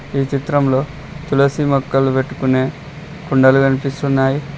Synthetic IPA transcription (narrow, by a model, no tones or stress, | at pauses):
iːt͡ʃit̪ɾɐmlo̞ː | t̪ulɐsimɔkːɐlupe̞ʈːu̥kune̞ː | kuɳɖɐluɡɐnipist̪unːaːji